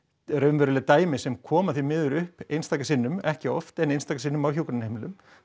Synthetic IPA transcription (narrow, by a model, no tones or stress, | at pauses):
ɾœɥnvɛɾʏlɪt̪aːjmɪsɛmkʰɔːmaθvimɪːðʏɾʏhpejnst̪aːjkasɪnːʏmɛhcɪɔft̪ɛnejnst̪ajkasɪnːʏmawçuwkɾnhejmɪlʏm